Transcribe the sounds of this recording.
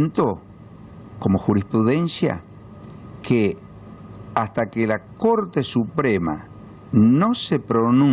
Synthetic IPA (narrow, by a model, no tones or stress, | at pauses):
nt̪o̞ | ko̞mo̞xuɾispɾuðe̞nsja̰ | kʰe | ast̪akelako̞ɾt̪e̞supɾema̰ | no̞sepɾo̞nu